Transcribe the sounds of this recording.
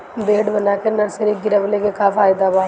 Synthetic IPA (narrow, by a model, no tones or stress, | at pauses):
beːɖbɐnaːkenɐɾsəɾiɡɪɾəʋlekekafaːɪd̪abaː